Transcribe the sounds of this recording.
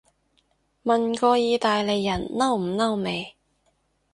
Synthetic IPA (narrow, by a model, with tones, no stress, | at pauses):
mɐ˨nkɔː˧jiː˧t̪aː˨jle˨˧jːɐ˨˩nnɐ˥wm̩˨˩nɐ˥wme˨˧j